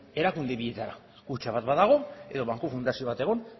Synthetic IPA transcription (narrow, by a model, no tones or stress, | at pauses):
e̞ɾakund̪e̞βiʎe̞t̪aɾa̰ | kut͡ʃaβat̪baðaɣ̞o̞e̞ðo̞βaŋkofund̪asio̞βat̪eɣo̞n